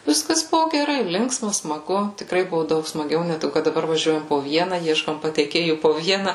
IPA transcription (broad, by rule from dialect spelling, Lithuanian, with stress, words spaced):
ˈʋʲɪskɐs ˈbʊʋoː ɡʲɛˈrɐɪ ˈlʲɪŋksmɐ smɐˈɡʊ tʲɪkˈrɐɪ ˈbʊʋoː ˈdɐʊk smɐˈɡʲɛʊ nʲɛ ˈtɐɪ kɐt dɐˈbɐr ʋɐˈʒʲuɔjɛm poː ˈʋʲiɛnɐ ˈiɛʃkoːm pɐtʲɛɪˈkʲeːjuː poː ˈʋʲiɛnɐ